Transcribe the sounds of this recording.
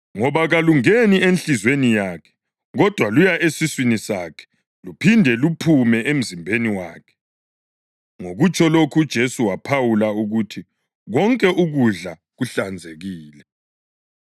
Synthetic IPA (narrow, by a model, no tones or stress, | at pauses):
ŋɔβaɣaluŋenienɬizwenijaːkʰɛ̥ | ɣɔd̥ʱwalujaʔesiswinisakʰɛ̥ | lupʰindʱɛlupʰumɛʔem̩zimbʱeniwaːkʰɛ̥ | ŋoɣut͡ʃʰʼɔlokʰud̥ʒ̥ʱesuwapʰawulauɣutʰi | ɣɔŋkʼɛʔuɣuɮa | ɣuɬand͡zʱeɣiːlɛ